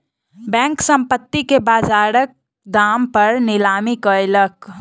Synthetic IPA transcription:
bɛ̃ːŋksə̃mpət̪ːikebaːd͡ʒaːɾək̚ | d̪aːmpəɾnɪlaːmikəjlək

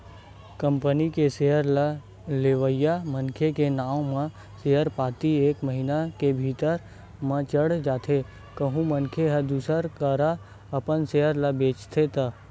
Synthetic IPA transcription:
kə̃mpənikeseɦəɾla | leʋəjamənkʰekenaːw̃mã | seɦəɾpaːt̪ieːkməɦinakebʱiːt̪əɾ | mə̃t͡ʃəɽd͡ʒaːt̪ʰe | kəɦũmənkʰeɦəd̪uːsəɾkəɾa | ɐpənseːəɾləbeːt͡ʃt̪ʰet̪a

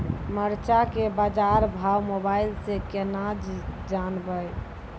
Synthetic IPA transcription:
məɾt͡ʃakebad͡ʒaɾbʱawmobailsẽkenad͡ʒd͡ʒanbəj

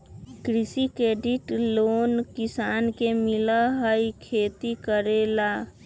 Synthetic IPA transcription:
kɾɪsikeːɖiʈloːnkisaːnkemiləɦəjkʰeːt̪ikəɾela

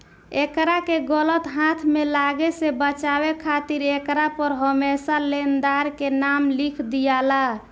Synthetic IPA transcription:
ekɾakeɡələt̪ɦat̪ʰmelaɡesebət͡ʃaβekʰat̪iɾekɾapəɾɦəmesalend̪aɾkenamlikʰd̪ijala

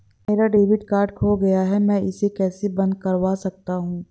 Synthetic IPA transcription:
meːɾaɖeːʋɪɖkaːɾɖkʰoɡɐjaɦɛmɛ̃ːɪsekɛːsebɐ̃nd̪̚kɐɾʋaːsɐk̚t̪aɦũː

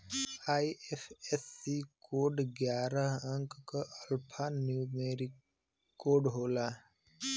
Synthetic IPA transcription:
aːiepʰesːikoːɖɡjaːɾəɦə̃ŋkkəʔəlpʰanjuːmeːɾik | koːɖɦoːlaː

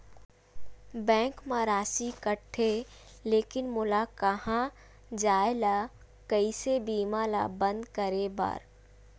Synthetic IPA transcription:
bɛ̃ːŋkmãːɾaːsikəʈʰːe | leːkɪnmʊlakɐhã | d͡ʒaːelaː | kɐisebiːmãːla̰bə̃nd̪kəɾeba̰ːɾ

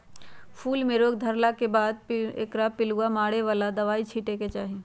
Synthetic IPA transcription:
fʰuːlmẽɾoːɡd̪ʱəɾlakebaːd̪̚ḛːkɾapɪluamaːɽeʋaːlad̪ɐʋaːit͡ʃʰiːʈeket͡ʃaːɦi

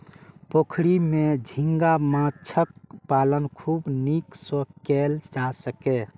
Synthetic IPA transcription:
pokʰɽimẽd͡ʒʱĩŋɡamãt͡ʃʰəkpalənkʰuːbniksəkeld͡ʒasəke

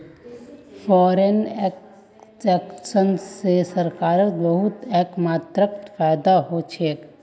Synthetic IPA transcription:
fʰɔːɾenɛk | ɛksənsesəɾkaːɾəkbəɦʊt̪ɛːkmaːt̪ɾək̚t̪pʰajd̪aɦot͡ʃʰek

